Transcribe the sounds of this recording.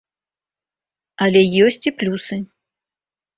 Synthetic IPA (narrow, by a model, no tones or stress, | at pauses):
ɐlʲɛjɔsʲt͡sʲiplʲusɨ